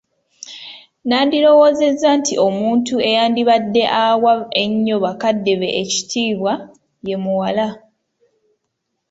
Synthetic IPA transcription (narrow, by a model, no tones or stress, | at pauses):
naːndiɾo̞wo̞ːze̞zːantʰiʔo̞muːntue̞jaːndiβadːe̞ʔawae̞ɲːoβakadːe̞βe̞ʔeci̥tʰiːβwa | je̞muwala